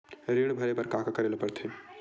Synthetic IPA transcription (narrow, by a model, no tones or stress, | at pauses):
ɾiɽ̃bʱəɾebəɾkakakəɾelpəɾt̪ʰi